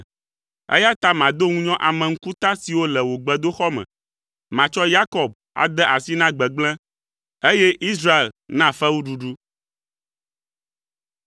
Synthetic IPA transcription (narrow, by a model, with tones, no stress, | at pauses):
ḛ˦ja˦t̪a˦mã˨d̪o˦ŋũ˦ɲɔ̃˦ʔa˨mɛ̃˨ŋ̩˦ku˦t̪a˦si˨wo˦lɛ˨wo˨ɡ͡bɛ˨d̪o˦xɔ˦mɛ̰̃˨ | mã˨t͡ʃɔ˦ja˦kɔ˨b̚ | a̰˨d̪ɛ˦ʔa˨si˦nã˦ɡ͡bɛ˨ɡ͡blɛ̃˦ | e˦jɛ˦ʔi˦s̬ɾa˦e˨lnã˦fɛ˦wu˦ɖu˨ɖu˦